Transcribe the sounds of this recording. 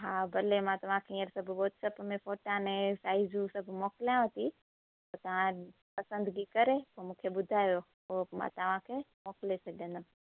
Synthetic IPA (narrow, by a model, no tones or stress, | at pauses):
ɦabʱɐlemãt̪ɐʋ̤ãkʰeĩəɾsɐbʱɓoːt̪sɐpmẽfoːʈãnẽsaːizũsɐbʱmoːkljãʋət̪i | pot̪ɐʋ̤ã | pɐsə̃nd̪ɡikɐɾepomũːkʰeɓʊd̪ʱaːjo | ɦoːmã̰t̪ɐʋ̤ãkʰemoːklesʰɐɖʱẽːnd̪o